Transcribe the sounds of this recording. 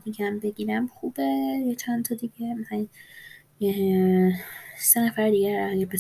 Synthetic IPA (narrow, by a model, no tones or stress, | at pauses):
d̪iɡæmbe̞ɟiɾæmxubejet͡ʃʰænt̪ʰɒd̪iɟemæsæi | senæfæɾd̪iːɡæɾæɡæɾbe